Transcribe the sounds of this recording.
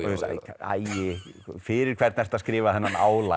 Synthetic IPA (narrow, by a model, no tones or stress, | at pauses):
sʰa̰jɪfɪɾɪɾ̥kʰv̥ɛɾt̪nɛst̪aðskɾɪːvaðθɛnːanaːwla